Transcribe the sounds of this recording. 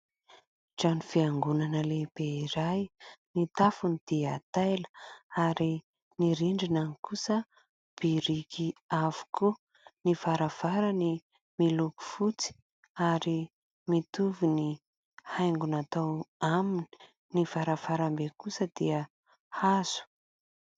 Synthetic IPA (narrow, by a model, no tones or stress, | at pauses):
d͡ʒanifiaŋɡunanəleb̥eiɾajnit̪afunid̪̥iat̪ajlə̥aɾi | niɾiɳɖ͡ʐinanikusə | b̥iɾikiavu̥ku | nivaɾav̥aɾani | miluku̥fut͡si̥ | aɾi | mit̪uvini | hajŋɡunat̪awamini̥ | niv̥aɾavaɾambekusəd̪̥iə | haz̥u̥